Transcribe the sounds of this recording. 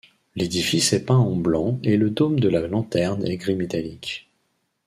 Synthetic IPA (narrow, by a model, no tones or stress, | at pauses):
led̪ifisɛpɛ̃ɑ̃blɑ̃eləd̪omd̪əlalɑ̃t̪ɛʁnɛ̰ɡʁimet̪alik